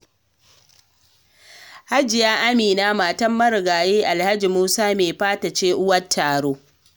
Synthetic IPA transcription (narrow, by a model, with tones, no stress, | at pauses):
ha˦d͡ʒɪ˨jaː˦ʔa˦miː˨naː˦maː˨tɐ˦mːɐ˦ɾɡaː˨jeː˦ʔa˨lha˦d͡ʒi˨muː˦saː˦meː˨ɸaː˦ta˨t͡ʃeː˦ʔʊ˦wɐ˦tʰːaː˨ɽoː˦